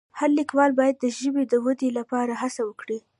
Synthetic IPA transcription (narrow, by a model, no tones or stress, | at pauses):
haɾlikwɑlbɑjad̪ːəʒəbed̪əwəd̪elapɑɾahasawəkɽi